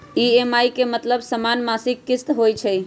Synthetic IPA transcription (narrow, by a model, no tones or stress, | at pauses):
iemajkemət̪ləbsəmanmasikːist̪ɦojt͡ʃʰəj